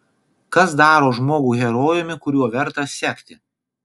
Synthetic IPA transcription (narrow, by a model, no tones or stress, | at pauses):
kɐsd̪ɑːɾoːʒmoːɡuːɣʲɛɾoːjʊmʲɪkʊɾʲuɔʋʲɛɾt̪ɐsʲɛːkʲt̪ʲɪ